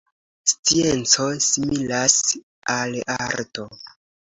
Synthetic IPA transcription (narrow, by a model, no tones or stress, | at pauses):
st͡sie̞nt͡so̞similas | alaɾto